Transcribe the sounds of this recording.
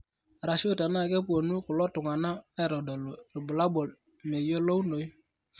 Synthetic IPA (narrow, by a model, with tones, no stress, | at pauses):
ɾa˨ʃʊ˦˨ta˨na˦˨ke˦p̬u˨o˨nu˦kʊ˨lɔ˦tʊ˨ŋa˨na˦e˦˨ɾo˨do˨lo˨ɾi˨bʊ˨la˦bo˨l | me˨jo˦lo˦u˦no˨j